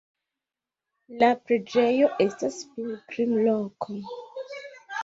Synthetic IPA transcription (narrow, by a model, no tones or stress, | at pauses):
lapɾe̞d͡ʒe̞joʔe̞staspilkɾimlokʰo